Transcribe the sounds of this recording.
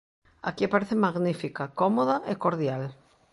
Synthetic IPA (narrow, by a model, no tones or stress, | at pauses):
a̰kiapaɾeθemaɣnifikakɔmoðaʔekoɾðjal